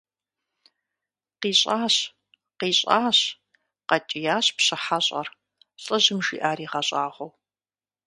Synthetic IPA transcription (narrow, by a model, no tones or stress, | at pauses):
qiːɕʼaːɕ | qiːɕʼaːɕ | qɐt͡ʃʼɪjaːɕpɕɨħaɕʼɐ̰r | ɬʼɐʑɪmʒḭːʔaːɾiːʁɐɕʼaːʁʷow